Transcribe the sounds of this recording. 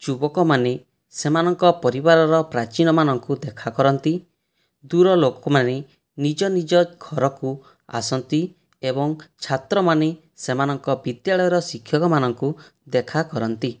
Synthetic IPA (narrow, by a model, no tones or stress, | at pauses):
d͡ʒubɔkɔmane | semanɔŋkɔpɔɾibaɾɔɾɔpɾat͡ʃinɔmanɔŋkud̪ekʰakɔɾɔnt̪i | d̪uɾɔlokɔmane | nid͡ʒɔnid͡ʒɔɡʱɔɾɔku | a̰sɔnt̪i | ebɔŋt͡ʃʰat̪ɾɔmane | semanɔŋkɔbid̪jaɭɔjɔɾɔsikʰjɔkɔmanɔŋku | d̪ekʰakɔɾɔnt̪i